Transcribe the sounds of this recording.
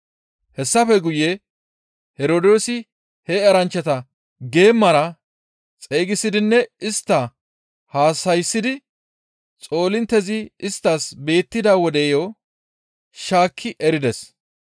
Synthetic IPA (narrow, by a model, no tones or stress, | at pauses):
hɛsːɐfɛɡʊjɛ | hɛɾoːd̪o̞ːsɪ | hɛɐɾɐnt͡ʃːɛt̪ɐ | ɡe̞ːmːɐɾɐ | t͡sʼeːɡɪsɪd̪ɪnːɛɪst̪ːɐ | haːsɐjsːɪd̪ɪ | t͡sʼo̞ːlɪnt̪ːɛzɪɪst̪ːaːsbe̞ːt̪ːɪd̪aːwɔd̪ɛːjo | ʃaːkʰːɪʔɛɾɪd̪ɛs